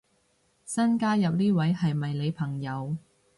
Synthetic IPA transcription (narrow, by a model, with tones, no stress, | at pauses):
sɐ˥nkaː˥jɐ˨p̚niː˥wɐ˨˥jhɐ˨jmɐ˨jle˨˧jpʰɐ˨˩ŋjɐ˨˧w